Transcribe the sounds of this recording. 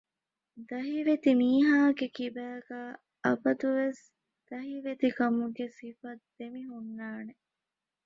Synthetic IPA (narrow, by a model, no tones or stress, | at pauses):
d̪ɐɦiʋet̪imiːɦaːɡekibæːɡaː | ʔɐbɐd̪uʋes | d̪̥ɐɦiʋet̪ikɐmuɡesifɐd̪emiɦunːaːne